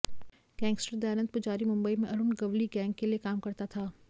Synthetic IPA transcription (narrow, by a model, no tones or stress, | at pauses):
ɡ̥ɛ̃ːŋɡsʈəɾd̪ajaːnə̃nt̪̚pʊd͡ʒaːɾimʊ̃mbəimẽʔɐɾʊnɡɐʋliɡɛ̃ːŋɡkeliekaːmkɐɾt̪at̪ʰaː